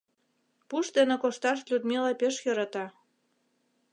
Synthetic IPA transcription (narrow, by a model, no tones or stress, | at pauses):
puʃd̪enĕkoʃt̪ɑʃ̬lʲud̪milɑpeʃjɤ̆ɾɑt̪ɑ